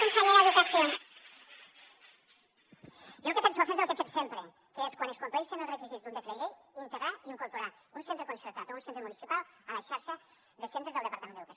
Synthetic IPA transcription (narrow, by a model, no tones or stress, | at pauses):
onseʎelaðukasjon | jokepensoafezelˠkefet͡ʃ̪sempɾe | keeskwaneskompejsenelrekizit̪und̪ekleɣiint̪eɣɾaiiŋkoɾpoɾaunsent̪ɾekonseɾt̪at̪ounsent̪ɾemunisipalalaʃaɾʃa | ðesent̪ezðlˠdepaɾt̪amẽneukas